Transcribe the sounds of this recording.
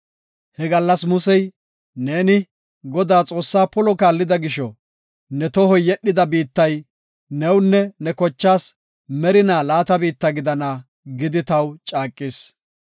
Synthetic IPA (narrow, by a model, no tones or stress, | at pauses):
hɛɡɐlːɐsmʊsɛj | neːnɪ | ɡɔd̪aːt͡sʼo̞ːsːaːpɔlɔkaːlːɪd̪ɐɡɪʃɔ | nɛt̪ɔɦɔjːɛɗːɪd̪ɐbiːt̪ːɐj | nɛwnːɛnɛkɔt͡ʃːaːs | mɛɾɪnaːlaːt̪ɐbiːt̪ːɐɡɪd̪ɐna | ɡɪd̪ɪt̪ɐwt͡ʃʼaːkʼːɪːs